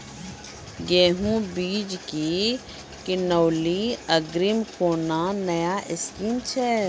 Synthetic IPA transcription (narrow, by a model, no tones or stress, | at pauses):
ɡeːɦũbiːd͡ʒki | kɪnoːliəɡɾimkoːnanɐjaʔɪskiːnt͡ʃʰɛː